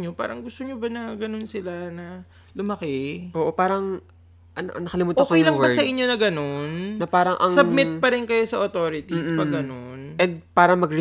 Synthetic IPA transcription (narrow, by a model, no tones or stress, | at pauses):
ɲo̞pa̰ːɾɐŋɡʊst̪oɲobɐnɐɡɐno̞nsɪlanɐ | lʊmɐkɛʔoːʔopaːɾɐŋ | ʔɐno̰ʔɐ̰ŋnɐkɐlɪmuːtʔoːkɛjlɐbɐsɐʔɪɲːo̞nɐɡɐno̞nnɐpaːɾɐŋʔɐ̰ŋsɐb̚mɪt̪̚pɐɾɪnkɐjo̞sɐʔot̪oːɾɪt̪ispɐɡɐno̞nʔɛnd̪̚paːɾɐmɐɡɾɪ